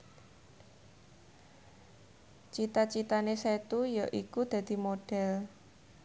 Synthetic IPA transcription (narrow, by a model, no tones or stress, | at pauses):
t͡ʃit̪at͡ʃit̪aneset̪ujaʔikud̪̥ä̤d̪̥i̤moɖ̥ɛ̤l